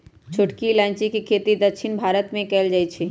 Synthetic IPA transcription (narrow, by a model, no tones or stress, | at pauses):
t͡ʃʰʊʈkilãːɪnt͡ʃikikʰeːt̪id̪əkʃʰɪnbʱaːɾət̪mẽkɛːld͡ʒaːit͡ʃʰeː